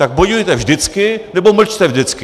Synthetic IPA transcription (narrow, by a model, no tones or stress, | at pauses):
t̪ak̚bojujt̪ɛvʒdɪt͡skɪnɛboml̩t͡ʃt̪ɛvʒdɪt͡skɪ